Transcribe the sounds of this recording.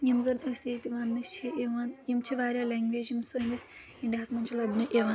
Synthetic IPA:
jɐmzɐnɐseːt̪iʋaːnːɐʃt͡ʃʰiʔeʋaːnjɐmt͡ʃʰiʋaːɾʲaːlʲaːŋɡʋeːd͡ʒimsɐɾʋis | iɳɖʲɐɦɐsmɐnt͡ʃʰɐlɐbnɐʔeʋaː

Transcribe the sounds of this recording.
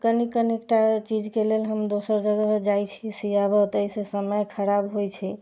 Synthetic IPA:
kənikənekʈat͡ʃid͡ʒkelelɦəmd̪osəɾd͡ʒəɡəd͡ʒajt͡ʃʰisijabət̪əisesəməjkʰəɾabɦojt͡ʃʰɛ

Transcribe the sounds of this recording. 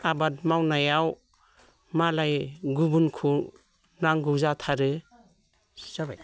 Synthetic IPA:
abad̚mawnajaw | malajɡubunkʰu | naŋɡuwzatʰaɾɯ

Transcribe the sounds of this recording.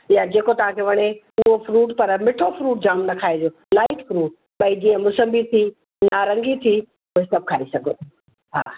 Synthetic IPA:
jad͡ʑeːkot̪ɐʋ̤ãkʰeʋɐɽ̃e | ʊɦofɾuːʈpɐɾmɪʈʰofɾuːʈ̚d͡ʑaːmnɐkʰaːed͡ʑ̪oː | laːɪʈfɾuːʈ̚ | ɓɐid͡ʑiːə̃mʊsəmbit̪ʰi | naːɾə̃ŋɡit̪ʰi | ʊɦesɐb̚ʱkʰaːɾisɐɡʱo | ɦa̰ː

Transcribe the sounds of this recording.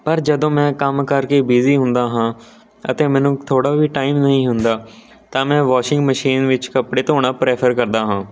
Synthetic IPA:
pəɾd͡ʒəd̪õːmɛ̃ːkəmkəɾkeːbiːziːɦʊ̃nd̪aːɦãː | ə̰t̪ẽːmɛ̃ːnũːt̪ʰoːɽaːʋiːʈaːiːmnəɦĩːɦʊnd̪aː | t̪ãːmɛ̃ːʋaːʃɪŋɡməʃiːnʋɪt͡ʃkəpɽeːt̪oːɽ̃aːpɾeːpʰəɾkəɾd̪aːɦãː

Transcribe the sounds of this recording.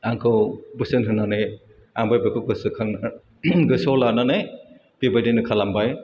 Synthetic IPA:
aŋkʰɯwbɯsɯnɦɯnːanɯj | aŋbajbakʰɯɡɯsɯkʰaŋ | ɡɯsɔlananaj | pibajdenɯkʰalambaj

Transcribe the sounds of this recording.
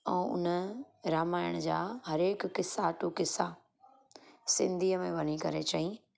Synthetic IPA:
ɛ̃ːʊ̰nə | ɾaːmaːɪəɽ̃d͡ʑaːɦɐɾeːkːɪsːaʈukɪsa | sɪ̰̃nd̪ʱiːəmẽʋɐnikɐɾet͡ɕaːɦi

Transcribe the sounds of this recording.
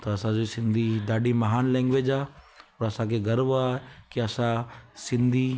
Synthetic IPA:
t̪ɐɐsãd͡ʒosɪ̃nd̪ʱid̪aːɖimɐɦaːnlɛ̃ːŋɡʋed͡ʒaː | pɔːɾɐsãkʰeɡɐɾʋaːɦekiɐsãsɪ̃nd̪ʱi

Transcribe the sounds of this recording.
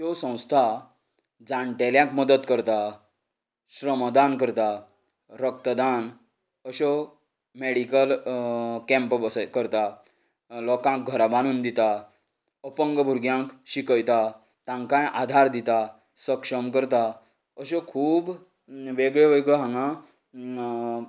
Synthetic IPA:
ɦɔsə̃w̃st̪ʰa | d͡zãɳʈɛljãkməd̪ət̪kəɾt̪a | ɕɾəmd̪ankəɾt̪a | ɾək̚t̪əd̪an | əɕɔ | meɽikəl | kɛ̃mpbəskəɾt̪a | lɔkãk̚ɡʱəɾabaɽ̃uːnd̪it̪a | əpəŋɡəbʱuɾɡjãkɕikəjt̪a | t̪ãŋkãjʔad̪ʱaɾd̪it̪a | səkʂəmkəɾt̪a | əɕɔkʰuːb | ʋeɡɭeʋeɡɭeɦãŋɡã

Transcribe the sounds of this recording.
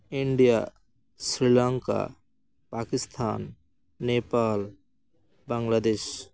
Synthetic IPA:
iɳɖija | sɾilãŋka̰ | paːkist̪ʰaːnː | epaːl | baŋɡlaːd̪eːʃ

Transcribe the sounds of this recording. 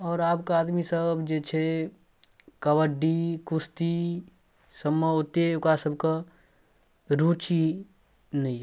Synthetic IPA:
ɔːɾaːpkaaːd̪misəbd͡ʒet͡ʃʰe | kəwəɖikʊst̪i | səmːəʊt̪eʊkasəbka | ɾuːt͡ʃi | nɐɦĩ

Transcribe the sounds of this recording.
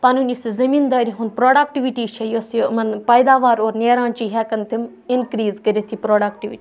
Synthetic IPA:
panunisizɐmĩːnd̪aːɾiɦʊn̚pɾoːɖaːk̚ʈiʋiʈiːt͡ʃʰɐjoːɐsĩmɐnpɐjd̪aːʋaːɾoːɾneːɾãːnt͡ʃiːɦɛːkɐnt̪ʰim | ɪnkɾiːzkəɾet̪ʰiːpɾoːɖaːkʈiʋiʈi

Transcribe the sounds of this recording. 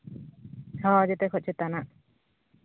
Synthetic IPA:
tʰɔ̃d͡ʒɛt̪ɛkʰɔt̪̚t͡ʃʰɛt̪anaʔ

